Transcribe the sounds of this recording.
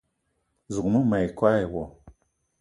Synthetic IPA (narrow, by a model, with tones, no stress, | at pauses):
zu˨k̚mu˦ma˨jkwa˦jwɔ˨